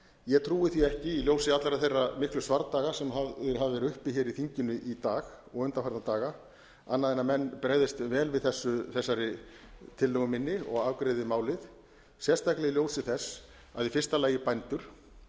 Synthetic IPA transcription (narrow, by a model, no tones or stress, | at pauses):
jɛɣt̪ʰɾuːɪθiɛhcɪiljowsɪat̪laɾaθejrːamɪhklʏsvaɾt̪aːɣasɛmɦaɪɦavvɛɾʏhpɪçɛːɾiθiɲcɪnʏʔit̪aːɣ | ɔɣʏnt̪afaɾðat̪aːɣa | anːaðɛnːamɛnːpɾɛːɣðɪst̪vɛːlvɪðθɛsːʏθɛsːaɾɪt̪ʰɪlːœɣʏmɪnːɪɔ̰ɣaːvkɾeːðɪmaːwlɪð | sjɛst̪ʰajklɛɣiljowsɪθɛsː | aðifɪr̥st̪alaːjɪpajnt̪ʏɾ̥